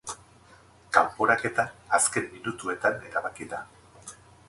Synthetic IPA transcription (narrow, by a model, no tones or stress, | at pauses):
kampoɾake̞t̪aːske̞mːinut̪ue̞t̪ane̞ɾaβ̞akiða